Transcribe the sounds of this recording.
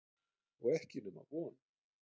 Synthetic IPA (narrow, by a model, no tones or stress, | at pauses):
ɔɣɛhcɪnʏma̰vɔːn